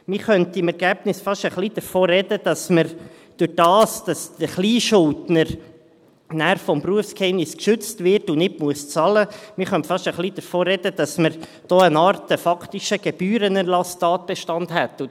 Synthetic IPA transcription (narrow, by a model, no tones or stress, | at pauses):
mɪχœntɪmɛɾɡ̥æːbnɪsfɑʃəχlid̥əɾfoːɾɛd̥əd̥ɑsməɾ | d̥ʉɾd̥ɑːsd̥ɑsdəχliːʃʊltnəɾ | næːɾfɔmpruəfskhɛɪmnɪskʃʉt͡stvɪɾtʊnɪtmuəst͡sɑləmɪχœntfɑʃəχlid̥̪əɾfoːɾɛd̥əd̥ɑsməɾ | d̥oːənɑːɾtəfɑkʰt̪iʃəɡ̥ɛb̥yːɾənɛɾlɑstɑːt̚b̥ɛʃtɑndhɛtːʊ